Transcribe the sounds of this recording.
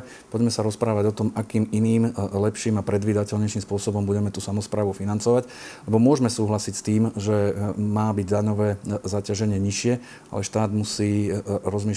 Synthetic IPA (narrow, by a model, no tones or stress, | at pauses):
pɔɟmɛsaɾɔspɾaːʋaɟɔt̪ɔmakiːminiːmlɛpʃiːmapɾɛd̪ʋiːd̪acɛʎɲɛʃiːmspʊɔsɔbɔmbuɟɛmɛt̪uːsamɔspɾaːʋufinant͡sɔʋaɟ | lɛbɔmʊɔʒmɛsuːɦlasicst̪iːmʒɛmaːbiɟd̪aɲɔʋɛːzacaʒɛɲɪɛɲiʃɪɛ | a̰lɛʃt̪aːd̪musiːɾɔzmiː